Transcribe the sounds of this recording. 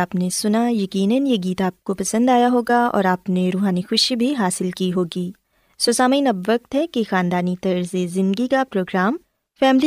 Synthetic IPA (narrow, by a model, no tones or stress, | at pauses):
aːpnesʊnajɐkiːnənjeɡiːt̪aːp̚kopɐsə̃nd̪aːjaɦoːɡaɔ̰ːɾaːpneɾuːɦaːnixʊʃibʱiɦaːsɪlkiɦoːɡiː | soːsaːmaiːnɐbʋɐk̚t̪ɦɛkixaːnd̪aːnit̪ɐɾzezɪ̃nd̪ɡikapɾoːɡɾaːm | fɛːmli